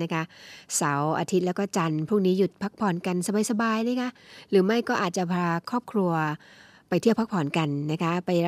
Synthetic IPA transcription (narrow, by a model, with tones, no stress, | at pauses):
na˦˥kʰa˦˥ʔsa˩˦wʔa̰˧t̪ʰi˦˥t̪̚lɛː˦˥wkɔː˥˩t͡ɕa˧npʰuː˥˩ŋniː˦˥ju˨˩t̪̚pʰa˦˥k̚pʰɔː˨˩˦nka˧nsa˧baː˧jsa˧baː˧jna˥˩jkʰa˦˥ɾɯː˩˦ma˥˩jkɔː˥˩ʔaː˨˩t̪̚t͡ɕa˨˩pʰɾaː˧kʰɔː˥˩p̚kʰɾu˧ɐ | pa˧jtʰi˥˩əpʰa˦˥k̚pʰɔː˨˩˦nka˧nːa˦˥kʰa˦˥pa˧j